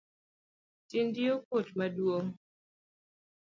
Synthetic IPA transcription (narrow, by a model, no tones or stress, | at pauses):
tindiokotmadwoŋ